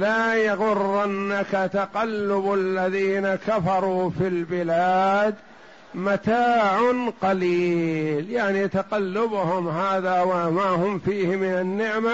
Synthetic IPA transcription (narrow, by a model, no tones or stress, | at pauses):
laːjɑɣʊrˤːanːakat̪aqɑlːʊbalːaðiːnakafɑɾˤuːfilbɪlaːd̪ | mat̪aːʕʊnqɑliːljaʕnit̪aqɑlːʊbʊhʊmɦaːðaːwamahʊmfiːhɪmɪnanːɪʕma